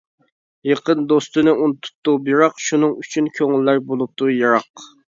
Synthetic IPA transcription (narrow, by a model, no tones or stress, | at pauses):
jeqənd̪ost̪ɨnɨunt̪ʰu̥t̪ːubiɾɑqʃunɨŋyt͡ʃʰynkʲʰøŋɪlːæɾbolˠup̚t̪ujɑɾɑq